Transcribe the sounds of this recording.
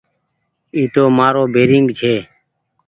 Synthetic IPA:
iːt̪oːmaːɾoːbʱeːɾiŋɡt͡ʃʰeː

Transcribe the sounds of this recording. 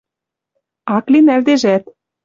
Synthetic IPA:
ɑklinæld̪eʒæt̪

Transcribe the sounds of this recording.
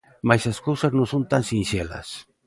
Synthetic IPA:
majsaskowsaznõnsont̪ansinʃelɐ̰s

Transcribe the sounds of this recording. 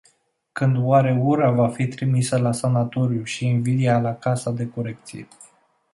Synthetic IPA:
kɨnd̪waɾe̞uɾavafit̪ɾimisəlasanat̪o̞ɾjuʃiːnvid̪ialakasad̪e̞ko̞ɾe̞k̚t̪sḭḛ

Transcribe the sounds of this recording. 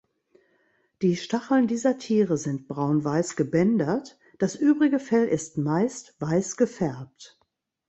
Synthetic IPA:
d̥iːʃtaχl̩ndiːzɐtʰiːʁəzɪnt̚b̥ʁaʊnvaɪsɡ̥əbɛndɐt | d̥asʔyːbʁɪɡəfɛlʔɪstmaɪstv̥aɪsɡ̥əfɛɐp̚t

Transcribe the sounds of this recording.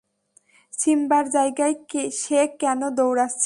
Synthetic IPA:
ʃimbaɾd͡ʑajɡajkeʃekːɛnod̪owɾast͡ɕʰ

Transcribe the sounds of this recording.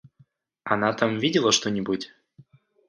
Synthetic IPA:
ɐnat̪amvʲidʲɪlˠəʂt̪onʲɪbutʲ

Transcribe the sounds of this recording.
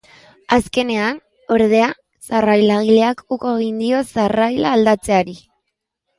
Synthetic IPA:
aske̞ne̞an | o̞ɾðe̞a | sarajlaɣile̞akukoeɣ̞ind̪io̞sarajlaːld̪at͡se̞aɾi

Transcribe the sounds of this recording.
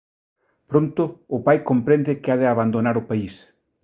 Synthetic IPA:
pɾõnt̪ʊːpajkompɾẽnd̪ɪkɪaðɪaβand̪onaɾʊpais

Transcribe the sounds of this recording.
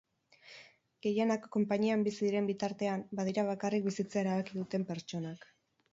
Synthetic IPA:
ɡ̥e̞jenakːo̞mpaɲiambisiðiɾe̞mbit̪aɾt̪e̞ambað̞iɾaβ̞akarik̚bisit͡sae̞ɾaβakiðut̪e̞mpe̞ɾt͡ʃo̞nak

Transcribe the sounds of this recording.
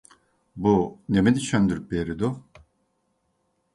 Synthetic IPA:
bunemid̪it͡ʃʰønd̪yɾyp̚beːɾid̪u

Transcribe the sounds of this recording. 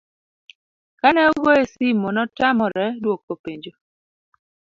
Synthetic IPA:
kanɛuɡoesimonɔtamɔɾɛdwok̚ːopeɲd͡ʒo

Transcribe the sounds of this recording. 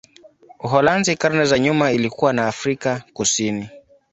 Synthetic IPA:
uɦɔlanzikaɾnɛzaɲumailikuwanaːfɾikakusini

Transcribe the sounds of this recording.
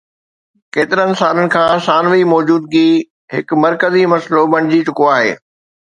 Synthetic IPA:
keːt̪ɪɾənɪ̆saːlənɪ̆kʰãːsaːnʋimɔːd͡ʑuːd̪̚ɡi | ɦɪk̆mɐɾkəzimɐslobɐɽ̃ɪd͡ʑit͡ɕʊkoaːɦḛː

